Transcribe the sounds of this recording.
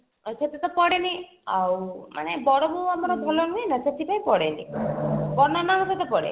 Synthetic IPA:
set̪et̪ɔpɔɽeni | awmʔa̰nebɔɽɔmuamɔɾɔb̪ʱɔlɔnuenaset̪ʰipaĩpɔɽenḭpɔnɔnanɔset̪ɔpɔɽḛ

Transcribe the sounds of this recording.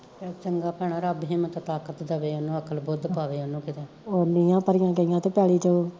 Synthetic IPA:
ɛt͡ʃəŋɡaːpɛːɽ̃aːɾəbɦẽːmət̪ːt̪aːkət̪d̪əʋeːonːũːəkʰːəlbʊd̪paːʋeːonːũːkɪt̪eː | oːnɪjãːpəɾɪjãːɡəɪjãːt̪õːpjɛːliːd͡ʒ̪oː

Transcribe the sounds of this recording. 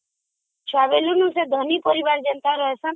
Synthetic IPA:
t͡ʃʰwabelunũsed̪ʱɔnipɔɾibaɾd͡ʒɔnt̪aɾɔɦesʰɔ

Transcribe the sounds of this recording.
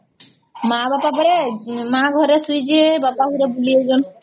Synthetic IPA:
mabapabɔɾemaɡʱɔɾesujd͡ʒebapakuɾebulied͡ʒɔn

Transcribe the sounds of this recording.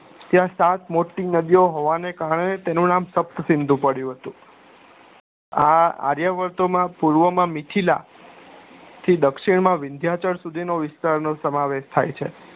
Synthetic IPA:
t̪jãsãt̪moʈːinəd̪ijoɦoʋanekaɾəɳet̪enũnamsəp̚t̪əsɪ̃nd̪ʱũpəɽjũɦət̪ũ | aa̰ɾjaʋəɾt̪omãpuɾʋəmãmɪʈʰila̰ | t̪ʰid̪əkʃiɳmãʋɪnd̪ʱjat͡ʃəɾsud̪ʱinoʋɪst̪aɾnosəmaʋeʃt̪ʰa̰jt͡ʃʰḛ

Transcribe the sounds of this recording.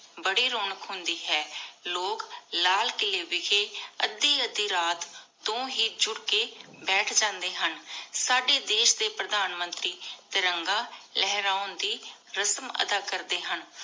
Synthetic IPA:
bəɽiːɾoːnəkɦʊnd̪iːɦɛːloːklaːlkɪleːʋɪkeːəd̪ːiːəd̪iːɾaːt̪ː | õːɦiːd͡ʒʊɽkeːbɛːʈʰd͡ʒãːnd̪eːɦənsaːɖeːd̪eːʃd̪eːpɾəd̪aːnmə̃nt̪ɾiːt̪eɾəŋɡãːlɛːɦɾaːʊnd̪iː | ɾəsmə̰d̪aːkəɾd̪eːɦən

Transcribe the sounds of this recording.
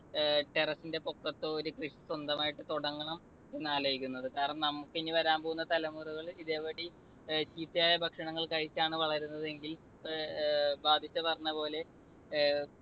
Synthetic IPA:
ʈe̞rɐsinde̞pokːɐt̪ːɨoɾukriʂiswɐnd̪ɐmaːjiʈːɨt̪oɽɐŋːɐɳɐm | enːaːlɐjikʲːunːɐðɨkaːɾiɐɳɐmnɐmːukːenːiʋɐɾaːmbo̞ːɣunːɐt̪ɐlɐmuruɣɐɭiðeːʋɐɽi | t͡ɕiːt̪ːijaːjɐbʱɐkʂɐɳɐŋːɐɭkɐɻit͡ɕːaːɳɨʋɐɭɐɾunːɐðe̞ŋɡil | bʱaːbʱit͡ɕːɐpɐrɐɲːɐpo̞ːle̞

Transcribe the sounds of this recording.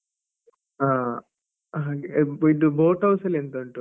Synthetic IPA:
aː | id̪uboːʈɐwsɐlent̪uɳʈu

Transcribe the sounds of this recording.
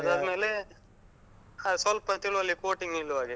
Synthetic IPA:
ɐd̪ad̪meːle | asɐlpɐt̪iɭuʋɐlːikoːʈiŋɡilːʋaːɡi

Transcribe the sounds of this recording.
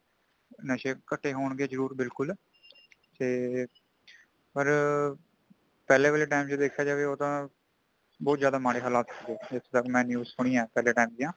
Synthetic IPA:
nəʃeːkəʈʰːeːɦoːɳɡeːzəɾuːɾbɪlkʊl | t̪eː | pəɾ | pɛːleːʋeːleːʈaːɪmt͡ʃːd̪eːkʰːjaːd͡ʒaːʋeːoːt̪ãː | bɔːt̪zjaːd̪aːmaːɽeːɦəlaːt̪səkd̪eːd͡ʒɪt̪ʰːt̪əkmɛ̃ːnjuːzsʊɽ̃iːãːpɛːleːʈaːɪmd͡ʒ̪ijãː

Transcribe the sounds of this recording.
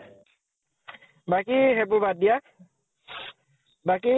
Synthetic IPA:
bakiɦebubadija | baki

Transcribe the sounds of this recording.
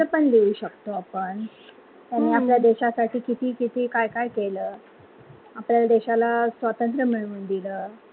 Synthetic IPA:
əpəɳd̪euɕəkt̪oapəɳ | t̪janːiːapljad̪eɕasaʈʰiːkit̪ʰiːkit̪ʰiːkajkajkeləː | apljalad̪eɕalasʋat̪ənt̪ɾəm̤iɭuːnd̪iləː

